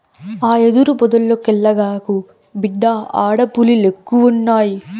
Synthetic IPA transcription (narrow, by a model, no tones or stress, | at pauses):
aːed̪uɾupɔd̪ɐlːokɛɭːɐɡaːku | biɖːaʔaːɽɐpulilekːuʋunːaːji